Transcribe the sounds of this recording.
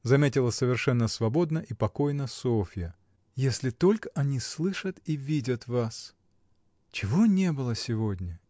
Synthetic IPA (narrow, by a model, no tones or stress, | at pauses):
zɐmʲetʲɪlˠəsəvʲɪrʂɛnːəsvɐbo̞d̪nəʔipɐko̞jnəsofʲɪjə | jesʲlʲɪt̪o̞lʲkə̥ʔɐnʲislˠɨʂət̪ivʲidʲət̪vas | t͡ɕɪvo̞nʲe̞bɨlˠəsʲɪvodʲnʲɪ